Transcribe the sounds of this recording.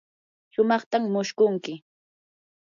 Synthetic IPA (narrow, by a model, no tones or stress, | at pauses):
ʃʊmɑχt̪amːʊʃkʊŋkɪ